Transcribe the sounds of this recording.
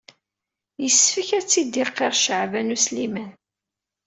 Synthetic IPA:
jəsfəçæt͡sːid̪iqːeʁʃəʕvænuslimæn

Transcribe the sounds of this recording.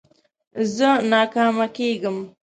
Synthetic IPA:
zənɑːkɑmakeɡəm

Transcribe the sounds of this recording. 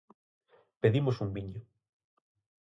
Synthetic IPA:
peðimosumbiɲo

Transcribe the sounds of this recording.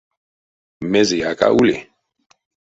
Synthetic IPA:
mɛzijaka̰ʔulɛ̰

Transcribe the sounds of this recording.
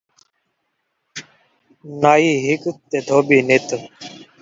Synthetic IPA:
naːiːɦɪkt̪ːeːd̪ʱoːbiːnɪt̪

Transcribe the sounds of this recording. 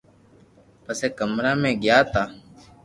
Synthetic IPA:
pəseːkəmɾaːmẽːɡɪjaːt̪aː

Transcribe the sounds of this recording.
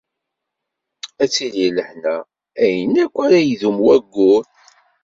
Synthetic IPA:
æt͡sːililəħnæ | æjənækʷːaɾæjðumwæɡːʊɾ

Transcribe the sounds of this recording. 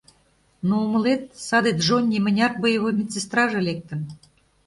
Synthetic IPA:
noumə̆let̪̚sɑd̪et̪ʒonʲːimɘ̆nʲɑrt̪̚bəjəβojmʲit͡sːest̪rɑʒĕlek̚t̪ə̆n

